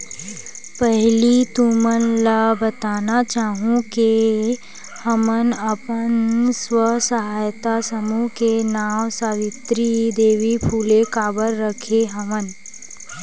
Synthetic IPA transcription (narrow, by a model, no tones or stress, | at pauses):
pɛɦlit̪umənlabət̪aːnat͡ʃaːɦũke | həmənəpənswəsəɦaːjt̪asəmukenaːwsaːʋɪt̪ɾid̪eːʋipʰuːlekaːbəɾːəkʰeɦəmən